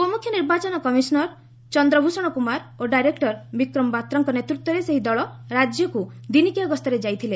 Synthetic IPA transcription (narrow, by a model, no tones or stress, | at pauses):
omukʰjɔniɾbat͡ʃɔnɔkɔmisɔnɔɾ | t͡ʃɔnd̪ɾɔbʱusɔɽ̃ɔkumaɾoɖajɾekʈɔɾbikɾɔmɔbat̪ɾɔŋkɔnet̪ɾut̪wɔɾeseɦid̪ɔɭɔɾad͡ʒjɔkud̪inikiaɡɔst̪ʰɔɾed͡ʒajt̪ʰile